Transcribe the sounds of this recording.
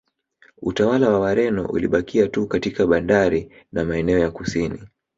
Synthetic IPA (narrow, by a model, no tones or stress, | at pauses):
utawalawawaɾɛnɔ̰ʔṵliɓakʰiatukatikaɓandaɾi | namaɛnɛɔjakusini